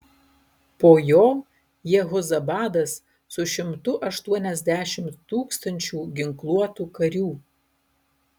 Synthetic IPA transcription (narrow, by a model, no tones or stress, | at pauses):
poːjoː | jɛɣɔzɐbɑːd̪ɐsː | ʊʃʲɪmt̪ʊʔɐʃt̪uɔnʲɛzʲd̪ʲæːʃʲɪmt̪ːuːkst̪ɐnʲt͡ʃʲuːɡʲɪŋklˠuɔt̪uːkɐɾʲuː